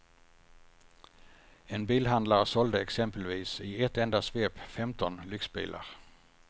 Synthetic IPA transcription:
ɛnbiːlɦand̪laɾsɔld̪əɛksɛmpəlviːsɪɛt̪ːɛnd̪asveːpfɛmt̪ɔnlʏksbḭːlʔa̰ɾ

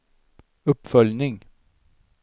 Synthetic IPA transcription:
ɵpːfœljnɪŋ

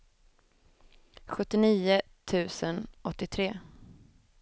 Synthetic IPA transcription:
ɧɵt̪ːɪniːʊ | t̪ʰʉ̟ːsənɔt̪ːɪt̪ʰɾeː

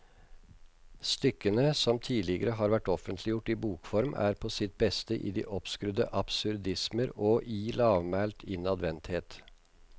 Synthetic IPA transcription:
st̪ʏkːənəsɔmt̪ʰiːlɪɡəɾəɦɑːɾʋæʈːɔfənt̪ʰlɪjʊʈːiːbuːkfɔɾmæ̰ːɾpʰɔːsɪt̪̚bɛst̪əʔḭːd̪ḭːʔɔpskɾʉd̪ə̰ʔɑpsʉɾd̪ɪsməɾoːʔiːlɑːʋmæːlt̪ʰɪnɑd̪ʋɛnt̪heːt̪

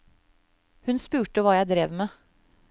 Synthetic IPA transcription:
hʉnspʉːʈəʋɑːjæɪd̪ɾeːʋmeː

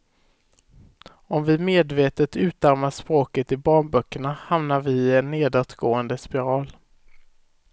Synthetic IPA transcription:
ɔmvɪmeːd̪veːt̪ət̪ʉ̟ːt̪aɾmaʂpɾoːkət̪ɪbɑːɳbœkːəɳahamnaɾvɪɪɛnːeːd̪at̪ɡoːənd̪əspɪɾɑːl

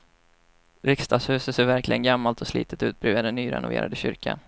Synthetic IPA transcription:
ɾɪkst̪ʰɑːɡshʉ̟ːsət̪seːɾvæɾklɪ̰ɡənɡamːalt̪ʰɔslḭːt̪ə̥t̪ʉ̟ːt̪̚bɾʉ̟ːad̪ɛnːyːɾɛ̰nʊvḛːɾʔa̰d̪əɕʏ̰ɾkʰa̰n

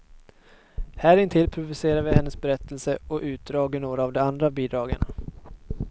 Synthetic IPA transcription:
hæːɾɪnt̪ʰɪlpʰɾʊvʉseːɾavɪhɛnːəsbɛɾɛt̪ʰːəlsəɔʔʉ̟ːt̪̚d̪ɾɑːɡəɳoːɾaːvd̪ɛand̪ɾabiːd̪ɾɑːɡə̰na̰

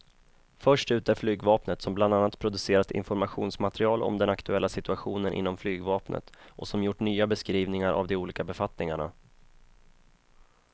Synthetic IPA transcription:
fœʂʈʉ̟ːt̪æɾflyːɡvɑːpnət̪sɔmbland̪anːat̪pʰɾʊd̪ɵseːɾat̪ɪ̰nfɔɾmaɧuːnsmat̪ɛɾɪɑːlɔ̰md̪ɛnakt̪ɵɛlːasɪt̪ɵaɧuːnənʔɪ̰nːɔmflyːɡvɑːpnʔə̰t̪ʔɔ̰sɔmjʊʈːɳyːabɛskɾiːvnɪŋaɾʔa̰vd̪ɛuːliːkabɛfat̪nɪŋaɳa̰

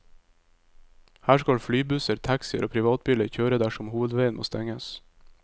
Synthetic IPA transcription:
hæːʃkɑlflyːbʉsəɾt̪ʰæksɪə̰ɾoːpʰɾɪʋɑːt̪̚biːləɾçøːɾəd̪æʃɔmhuːʋəd̪ʋeɪnmʔo̰ːst̪ɛŋəs

